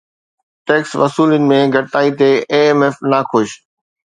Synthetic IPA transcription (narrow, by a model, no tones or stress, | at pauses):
ʈeːksʋɐsuːlənɪ̆mẽɡʱɐɽt̪aːit̪eeːmeːfnaxʊʃ